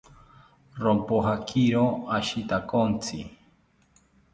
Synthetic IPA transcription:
ɾompoɦakʰiɾoaʃit̪akont͡sʰḭ

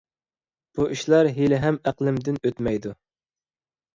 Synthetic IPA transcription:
b̥uʔiʃlˠɑɾɦelɪɦɛmæqlˠɪmd̪ɪnøt̪mɛjd̪u

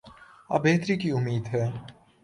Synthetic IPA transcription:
a̰ːbeːt̪ɾikiʊmːiːd̪ɦɛː

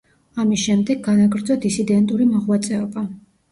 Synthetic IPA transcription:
amisʃɛmd̪ɛɡɡanaɡɾd̪zɔd̪isid̪ɛnt̪ʼuɾimɔʁwat̪sʼɛɔba

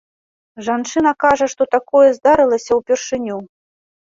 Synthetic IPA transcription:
ʐant͡ʂɨnɐkaʐɐʂt̪ɔt̪akɔjɛzd̪aɾɨlˠɐsʲɐwpʲɛrʂɨnʲu

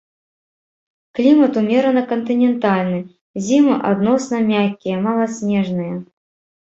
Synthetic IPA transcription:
klʲimɐt̪umʲɛɾɐnɐkɐnt̪ɨnʲɛnt̪alʲnɨ | zʲimɨʔad̪nɔsnɐmʲakʲːijɐmalˠɐsʲnʲɛʐnɨjɐ

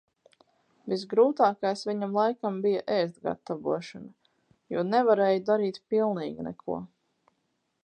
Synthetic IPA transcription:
vis̬ɡɾuːt̪aːkajsʋʲiɲamlˠajkambijaʔɛst̪ɡa̰t̪ːavṵɔʃana | juːnɛvaɾɛːjud̪aɾiːt̪pilˠniːɡinɛ̰kʰṵɔ

